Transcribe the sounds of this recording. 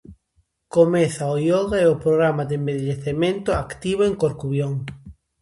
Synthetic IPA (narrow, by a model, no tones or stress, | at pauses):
komɛθaojɔɣaɛopɾoɣɾamad̪embeʎeθemẽnt̪ʊakt̪iβ̞oeŋkoɾkuβjoŋ